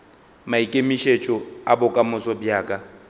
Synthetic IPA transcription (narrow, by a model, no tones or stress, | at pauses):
maikʼemiʃet͡ʃʼɔabʊkʼamʊsɔbjaːkʼa